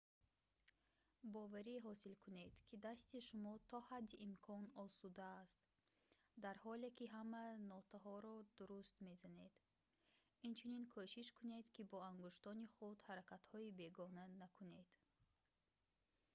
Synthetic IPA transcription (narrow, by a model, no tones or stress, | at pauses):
bɔvaɾiɦɔsilkʰune̞d̪kʰid̪ast̪iʃumɔt̪ʰɔhad̪ːiʔːmkʰɔnɔsud̪aːst̪ | d̪aɾhɔlekʲiɦamanɔt̪ʰaɦɔɾɔd̪uɾust̪me̞zane̞d̪ | int͡ʃʰuninkʰoʃiʃkʰune̞d̪kibɔaŋɡuʃt̪ɔniχud̪haɾakat̪hɔibe̞ɡɔnanakʰune̞d̪̥